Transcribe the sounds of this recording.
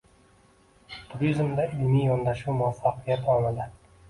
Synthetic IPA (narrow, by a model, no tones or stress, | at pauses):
t̪ʰʊɾizmd̪aɪlmijɒnd̪aʃuwmʊafːaqʰɨjat̪ɒlˠnad̪ɪ